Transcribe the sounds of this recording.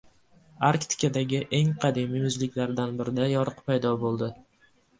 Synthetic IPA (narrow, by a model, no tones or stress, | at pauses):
aɾkt̪ɪ̥kʲad̪aɡʲɪʔe̞ŋqʰɑd̪imijʊzlɪkʲlaɾɪd̪anbɪɾɪd̪ajɒɾɨqpʰajd̪ɒbolˠd̪ɪ